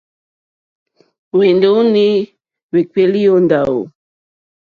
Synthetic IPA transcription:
we˨ndo˦u˦ni˦ | we˨ke˦li˦o˦nda˨o̰˨

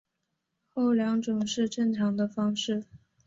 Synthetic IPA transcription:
xo˥˩ʊljɑ˧˥ŋʈ͡ʂʊ˨˩ŋʂɻ̩˥˧ʈ͡ʂɤ˥˩ŋʈ͡ʂʰɑ˧˥ŋd̪ə˧fɑ˥ŋʂɻ̩˥˩

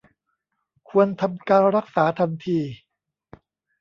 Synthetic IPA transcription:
kʰu˧ənt̪ʰa˧mkaː˧nɾa˦˥k̚saː˩˦t̪ʰa˧nt̪ʰiː˧

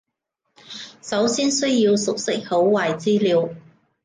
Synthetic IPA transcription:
sɐ˨˥wsiː˥nsɵ˥ɥjiː˧wsʊ˨k̚sɪ˥k̚ho˨˥wwaː˨jt͡siː˥liː˨˧w

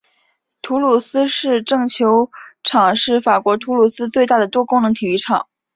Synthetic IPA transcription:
t̪ʰu˧˥lu˨˩sɹ̩˥ʂɻ̩˥˧ʈ͡ʂɤ˥˩ŋt͡ɕʰjo˧˥ʊʈ͡ʂʰɑ˨˩ŋʂɻ̩˥˩fa˨˩kwɔ˧˥t̪ʰu˧˥lu˨˩sɹ̩˥t͡swe˥˧ɪt̪a˥˩d̪ə˩t̪wɔ˥kʊ˥ŋnɤ˧˥ŋt̪ʰi˨˩y˧˥ʈ͡ʂʰɑ˨˩˦ŋ

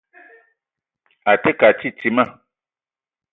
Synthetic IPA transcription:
a˨t̪e˦ka˨t͡ʃi˦ti˨mã˦˨

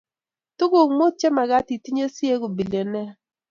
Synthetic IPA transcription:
tʊ˦ɡo˨ŋmo˦t͡ʃe˦ma˨ɡa˦ti˨ti˦ɲe˦si˦e˦ɡo˨bi˨le˨nɛ˦

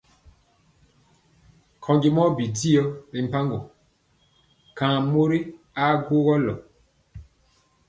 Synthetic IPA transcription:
kʰɔ˨ŋɡi˨mɔ˦bi˨di˦ɔ˦bi˨m̩˨pa˦ŋɡo˨ | kã˨mo˦ɾi˦ | a˦ɡo˦ɣɔ˦lɔ̰˨

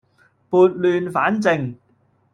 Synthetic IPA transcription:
puː˨˧t̚lyː˧nfaː˨˥nt͡sɪ˨˧ŋ

